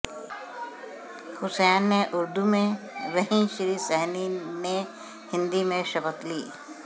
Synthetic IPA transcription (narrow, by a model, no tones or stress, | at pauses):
hʊsɛːnːeʔʊɾd̪umẽ | ɾɐɦĩʃɾiːsɛɦnine | hɪ̃nd̪imẽʃəpət̪liː